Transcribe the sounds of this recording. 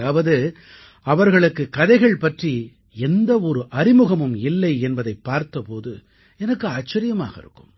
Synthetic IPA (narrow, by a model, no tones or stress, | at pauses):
aːʋɐðɯ | ɐʋɐɾɣɐɭɯkːɯkɐðɐɪɣɐɭpɐʈri | ɛnd̪ɐɔɾɯʔɐɾɪmɯɣɐmɯmɪlːɐɪɛnbɐðɐɪpːaːɾt̪ɐpoːðɯ̰ | ɛnɐkːɯaːt͡ʃːɐɾɪjɐma̰ːɣɐɪ̰ɾɯkːɯm